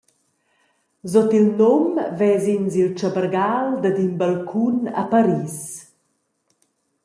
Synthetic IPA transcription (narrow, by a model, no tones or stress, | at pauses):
zɔt̪ilnomvɛzinzilt͡ʃabərɡald̪ad̪inbalkʰuna̰paɾiːs